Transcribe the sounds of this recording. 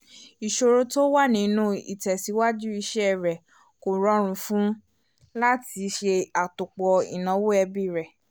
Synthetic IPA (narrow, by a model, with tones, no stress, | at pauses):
i˨ʃo˧ɾo˧to˦wa˦˨nĩ˨˦nũ˦ḭ˨tɛ˨si˨˦wa˦d͡ʒu˦i˧ʃɛ˦ɛ˦˨ɾɛ˨ | ko˨ɾɔ˨˦ɾ̃ũ˧fũ˦ | la˦ti˧˦ʃe˧a˨tu˨k͡pɔ˨ḭ˨nã˨˦wo˦ɛ˧bi˦˨ɾɛ˨